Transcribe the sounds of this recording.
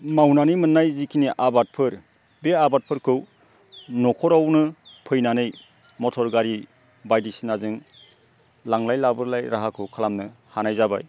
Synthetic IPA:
mawnanimɯnːajzikʰiniʔabat̚pʰɯɾ | beabat̚pʰɯɾkʰɯw | nɔkʰɔɾawnɯpʰɯjnanɯj | mɔtʰɔɾɡaɾi | bajdisinazɯŋ | laŋlajlabɯɾlajɾaɦakʰɯwkʰalamnɯhanajzaba̰j

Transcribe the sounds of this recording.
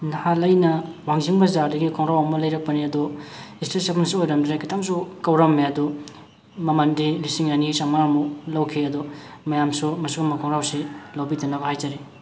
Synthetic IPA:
nhalɐjnɐwaŋziŋbɐzaɾdɐɡikʰɔŋɾawɐmɐlɐjɾɐk̚pɐniɐduistesepʰnsiojɾɐmdɾekʰitʰaŋsukɐwɾɐmːeɐdu | mɐmɐndilisiŋnanisaŋmaɾmulɐwkʰiɐdumɐjamsumɐsuɡɐmɐkʰɔŋɾawsilawbidɐnɐbɐhajd͡ʒaɾe

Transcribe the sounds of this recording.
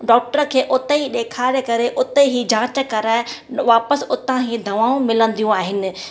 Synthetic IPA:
ɖɔːk̚ʈəɾkʰeːʔʊt̪eiɗeːkʰaːɾekɐɾeʔʊt̪eiɦid͡ʑʱãːt͡ɕəkɐɾaːʋaːpəsʊt̪ãɦid̪ʱɐʋaːũmɪlə̃nd̪ijũaːɦɪnɪ̆

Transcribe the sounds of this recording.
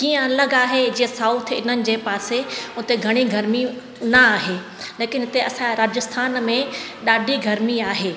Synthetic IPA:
kiːə̃ɐləɡaːɦed͡ʑiːesaːut̪̆ʰɪn̤ənɪ̆d͡ʑeːpaːseʊt̪eɡʱɐɽ̃iɡʱɐɾmi | nɐaːɦeː | leːkɪnɦɪt̪eɐsãɾaːd͡ʑəst̪ʰaːnmẽɗaːɖʱiɡʱɐɾmiaːɦeː

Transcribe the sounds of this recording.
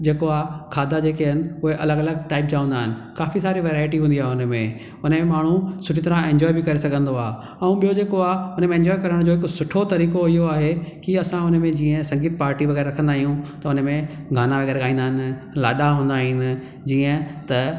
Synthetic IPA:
d͡ʑeːkoaːɦkʰaːd̪ʱad͡ʑeːkeɦɐnɪ̆ʊɦeʔɐləɡɐləɡ̚ʈaːɪp̚d͡ʑaːʋə̃nd̪aːɦɪnɪ̆kaːfisaːɾiʋeːɾaːɪʈiɦũːnd̪iaːɦeʊnəmẽ | ʊnəmẽmaːɳ̤ũsʊʈʰit̪ɐɾãẽːɲd͡ʑɔːibɪkɐɾesɐɡʱə̃nd̪oaː | ɛ̃ũɓijod͡ʑeːkoaːʊnəmẽɛ̃ɲd͡ʑɔːɪjkɐɾəɽ̃d͡ʑoːɦɪkʊsʊʈʰot̪ɐɾiːkoɪɦoaːɦekiɐsãʊnəmẽd͡ʑiːə̃sɐ̃ŋɡiːt̪paːɾʈiʋɐɣɛːɾːɐkʰə̃nd̪aːɦijũt̪ɐʊnmẽɡʱaːnaʋɐɣɛːɾɠaːĩːnd̪aːɦɪnɪ̆ | la̰ːɗaɦũːnd̪aːɦinɪ̆ | d͡ʑiːə̃t̪ɐ

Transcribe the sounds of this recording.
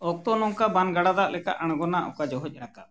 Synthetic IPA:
ɔk̚t̪ɔnɔŋkabanɡaɽad̪aʔlɛka̰ʔəɽ̃ɡɔnaʔɔ̰kad͡ʒɔɦɔc̚ˀɾaka

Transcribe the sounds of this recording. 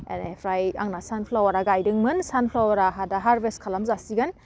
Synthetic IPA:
ḛnepʰɾaja̰ŋnasanpʰlawaɾaɡajdɯŋmɯnsanpʰlawaɾaɦadaɦaɾbestkʰalamzasiɡan

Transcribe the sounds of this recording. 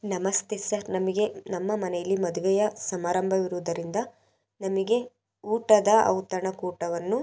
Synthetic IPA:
nɐmɐst̪esɐɾnɐmɐɡe̞nɐmːɐmɐnɛjɐlːimɐd̪uʋɛjɐsɐmaːɾɐmbʱɐʋiɾuʋud̪ɐɾind̪ɐ | nɐmiɡe̞ | uːʈɐd̪ɐɐ̰wt̪ɐɳɐkuːʈɐʋɐnːu

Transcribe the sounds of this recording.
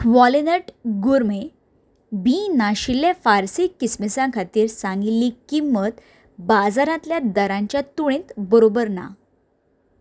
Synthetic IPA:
ʋɔlinəʈɡuɾme | binaɕiljafaɾsikːismisãkʰat̪iːɾsãŋɡilːikimːət̪ | bad͡zaɾãt̪ljad̪əɾãɲt͡ɕjat̪uɽ̃ẽt̪bəɾobəɾna̰

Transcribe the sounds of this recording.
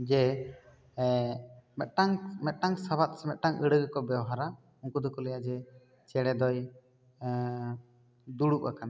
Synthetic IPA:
d͡ʒɛ | mɛt̪̚ʈaŋmɛt̪̚ʈaŋsabat̪̚sɛmɛt̪̚ʈaŋəɽəɡkɔbɛwɦaɾa | uŋkud̪ɔkɔlɛjad͡ʒɛ | t͡ʃɛɽɛd̪ɔj | d̪uɽuk̚ʔa̰kan

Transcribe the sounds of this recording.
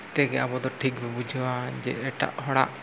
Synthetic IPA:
t̪ɛɡɛabɔd̪ɔʈʰikbɛbud͡ʒʱwad͡ʒɛ̰ɛʈa̰ʔɦɔɽa̰ʔ

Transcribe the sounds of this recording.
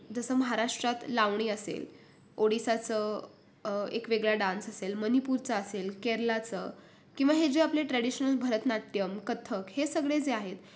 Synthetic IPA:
d͡zəsəməɦaɾaʂʈɾat̪laʋɳ̃iːəsḛl | oɽisat͡sə | ḛkʋeɡɭjaɖãnsəselmənipuɾt͡səːselkeɾlat͡sə | kĩw̃ʋaɦed͡ʑeapleʈɾaɽiɕnəlbʱəɾət̪nat̪jəmkət̪ʰəkhesəɡɭed͡zeaɦet̪

